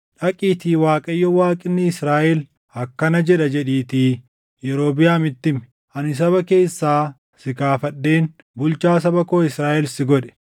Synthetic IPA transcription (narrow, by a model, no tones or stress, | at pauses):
ᶑɐkʼiːt̪iːwaːkʼɐjːɔwaːkʼɪnːɪɪsɾaːʔɛl | ɐkːɐnɐd͡ʒɛᶑɐd͡ʒɛᶑiːt̪iː | jɛɾo̞ːbɪjaːmɪt̪ːɪm | ʔɐnɪs̬ɐβɐke̞ːsːaː | sɪkaːfɐɗːe̞ːn | bʊlt͡ʃaːs̬ɐbɐkoːɪsɾaːʔɛlsɪɡɔᶑɛ̥